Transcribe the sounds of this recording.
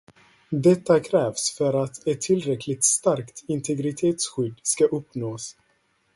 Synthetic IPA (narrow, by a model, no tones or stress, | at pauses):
d̪ɛt̪ːakʰɾɛːvsfœɾat̪ɛt̪ʰːɪlːɾɛkʰlɪt̪st̪aɾkt̪ʰɪnt̪ʰɛɡɾɪt̪ʰeːt̪sɧʏd̪ːskaʔɵpːnoːs